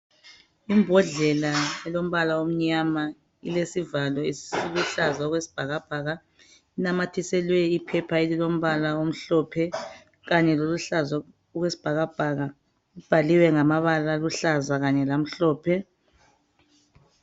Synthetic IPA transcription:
imbʱɔɮɛlaɛlom̩βalaom̩ɲama | ilesivalwɔisiluɬazaɔɣwesi̥b̥ʱaɣab̥ʱaːɣa | inamatʰisɛlwɛipʰɛpʰaelilom̩βalaom̩ɬɔpʰɛ | ɣaɲɛloluɬaza | ɔɣwesi̥b̥ʱaɣab̥ʱaɣa | ib̥ʱaliwɛŋamaβalaluɬazaɣaɲɛlam̩ɬɔːpʰɛ

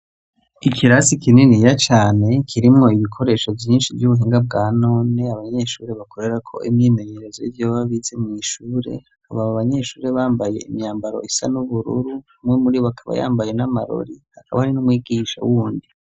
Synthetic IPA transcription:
ikʰiɾasikininijat͡ʃaːne̞kʰiɾimŋo̞iβikʰo̞ɾe̞ːʃo̞vjiːnʃivjuβuɦiːŋɡab̚ɡaːno̞ːne̞aβaɲe̞ʃuːɾe̞βakʰo̞ɾe̞ɾakʰo̞̰ʔimɲiːme̞ɲe̞ɾezoivjoːβaβiːze̞mŋiːʃuːɾe̞̰ | aβaβaβaɲe̞ʃuːɾe̞βaːmbaje̞̰ḭmɲaːmbaɾo̞̰ʔisanuβuɾṵɾu | mŋemuɾiβoβakʰaβa̰ja̰ːmbaje̞namaɾo̰ɾihakaβahaɾinumwiːɡiːʃa̰wuːndi

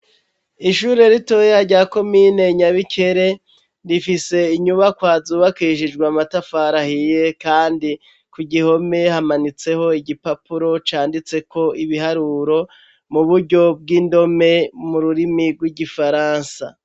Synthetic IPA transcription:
iʃuɾe̞ɾito̞ːjeaɾɟaːko̞mine̞ɲaβikʰe̞ɾe̞ | ndifise̞iɲuβakwaːzuːβakiʃid͡ʒɡwamatafaːɾahije̞kaːndi | kuɟiho̞me̞hamanit͡se̞ho̞iɟipapuɾo̞t͡ʃaːndit͡se̞ko̞iβiɦaɾuɾo̞ | muβuɾɟo̞b̚ɡiːndo̞me̞muɾuɾimiɡwiɟifaɾaːnsa

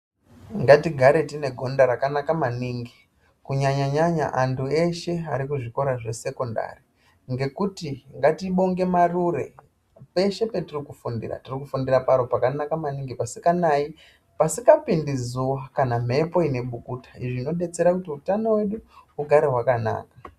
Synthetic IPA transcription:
ŋɡatiɡʱaɾe̞tine̞ɡʱo̞ndaɾakanakamaniːŋɡi | kuɲaɲaɲaɲa̰ʔantʰue̞ʃe̞aɾikuʐiko̞ɾaʐe̞se̞ko̞nda̰ri | ŋɡe̞kutiŋɡatiɓo̞ŋɡe̞marure̞ | pe̞ʃe̞pe̞tirikufundḭra̰tirikufundirapaɾo̞pakanakamaniŋɡipasikanai | pasikapindizuwakanam̤e̞po̞ine̞ɓukuːtḁiʐiːno̞ɗe̞t͡se̞ɾakutiutano̞we̞ɗuuɡʱaɾe̞ɦwakana̰ːka

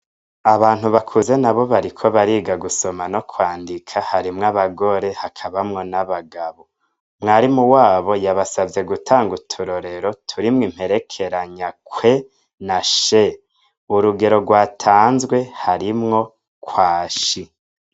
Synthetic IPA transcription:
aβaːn̥huβakʰuze̞naβo̞βaɾikʰo̞βaɾiːɡaɡuso̞mano̞kʰwaːndikʰahaɾimŋaβaɡo̞ɾe̞hakʰaβamŋo̞naβaɡaβo | mŋaːɾimuwaːβo̞jaβasavje̞ɡutʰaːŋɡutʰuɾo̞ɾe̞ɾo̞tʰuɾimŋiːm̥he̞ɾe̞kʰe̞ɾaɲakwe̞ | naʃe | uɾuɡe̞ɾo̞ɡwaːtʰaːnzɡwe̞haɾimŋo̞ | kʰwaːʃi

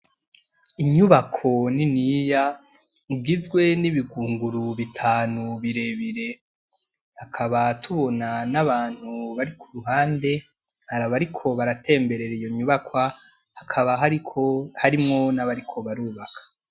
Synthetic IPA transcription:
iɲuβakʰo̞ninija | iɡizɡwe̞niβiɡuːŋɡuɾuβitʰaːnuβiɾe̞βiɾe̞ | hakʰaβatʰuβo̞nanaβaːn̥huβaɾikʰuɾuɦaːnde̞ | haɾaβaɾikʰo̞βaɾatʰe̞ːmbe̞ɾe̞ɾijo̞ɲuβakwa | hakʰaβaɦaɾikʰohaɾimŋo̞naβaɾikʰo̞βaɾuːβakʰḁ

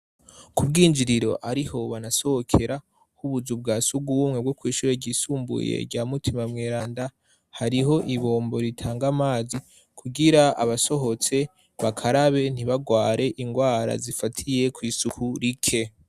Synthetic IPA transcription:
kubɡiːnd͡ʒiɾiɾo̞ʔaɾiho̞βanaso̞ho̞kʰe̞ɾa | huβuzub̚ɡaːsuɡuβumŋe̞bɡo̞kwiːʃuːɾe̞ɾɟiːsuːmbṵjḛɾɟaːmutʰimamŋeːɾaːnda | haɾiɦo̞ʔiβo̞ːmbo̞ɾitʰaːŋɡamaːzi | kʰuɡiɾaa̰βaso̞ɦo̞t͡se̞ | βakʰaɾaβe̞n̥iβaɡwaːɾe̞ʔiŋɡwaːɾa̰zifatʰije̞kwiːsuhuɾikʰe̞

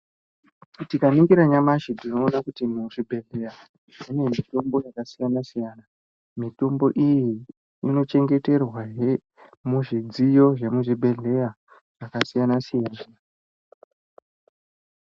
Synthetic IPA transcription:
tikaniŋɡiɾaɲamaʃidino̞ːnakutimuʐibʱe̞ɮe̞ja | ʐine̞mito̞mbo̞jakasijanasijaːna | mito̞mbo̞ʔiji | ino̞t͡ʃe̞ŋɡe̞te̞rwaɦe | muʐid͡zijo̞ʐe̞muʐibʱe̞ɮe̞ja | ʐ̥akasijanasijaːna

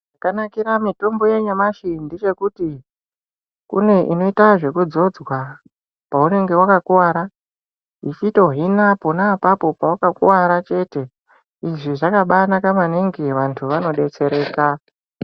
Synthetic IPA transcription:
akanakiɾamito̞mboje̞ɲamaʃindit͡ʃe̞kuti | kṵne̞ʔino̞itaʐe̞kud͡zo̞d͡zwa | paune̞ŋɡe̞wakakuwaːɾa | ɦit͡ʃito̞ɦinapo̞naːpapo̞pawakakṵwaɾat͡ʃe̞te̞ | iʐiʐakaɓanakamaneŋɡeʋantʰuʋano̞ɗe̞t͡se̞ɾe̞ːka

